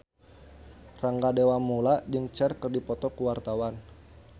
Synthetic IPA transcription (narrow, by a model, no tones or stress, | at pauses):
raŋɡadewamulaʔd͡ʒɨŋt͡ʃɛrkərdipɔt̪ɔkuwart̪awan